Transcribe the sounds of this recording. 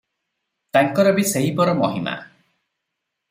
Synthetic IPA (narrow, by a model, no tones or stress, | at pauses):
t̪aŋkɔɾɔbiseɦipɔɾɔmɔɦima̰